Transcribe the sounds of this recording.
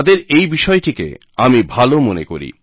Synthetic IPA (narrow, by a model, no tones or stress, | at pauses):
d̪eɾejbiʃɔeʈikḛ | amibʱalomonḛko̰ɾḭ